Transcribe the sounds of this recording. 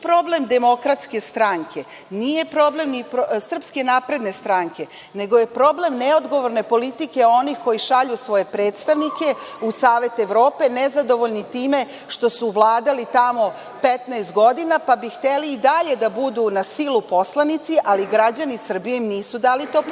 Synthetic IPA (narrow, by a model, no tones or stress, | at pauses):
pɾoble̞md̪e̞mo̞kɾat̪ske̞st̪ɾaŋkʰe̞ | nijepɾo̞ble̞mnipsr̩pske̞naːpɾe̞d̪ne̞st̪ɾaŋke̞ | ne̞ɡoje̞pɾo̞ble̞mneo̞d̪ɡo̞ʋoɾne̞po̞lit̪ike̞o̞nixko̞jiʃaʎusʋo̞je̞pɾe̞ːt̪st̪aʋnike̞usaːʋe̞t̪e̞ʋɾo̞ːpe̞nezad̪o̞ʋo̞ʎnit̪iːme̞ | ʃt̪o̞suʋlˠaːd̪alit̪amo̞ | pet̪naest̪̚ɡo̞d̪inapabixt̪eliːd̪aʎe̞d̪abud̪unasilˠupo̞slˠanit̪siʔaliɡɾad͡ʑanisr̩bijeimniːsud̪aːlit̪o̞ːp